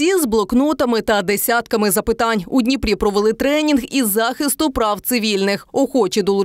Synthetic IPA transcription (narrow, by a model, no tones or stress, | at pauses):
izblˠɔknɔt̪ɐmɪt̪ɐd̪esʲat̪kɐmɪzɐpɪt̪ɑnʲudʲnʲipɾʲipɾɔʋelˠɪt̪ɾɛnʲinɣizɑxɪst̪ʊpɾɑwt̪sɪʋʲilʲnɪxɔxɔt͡ʃid̪ɔlˠʊ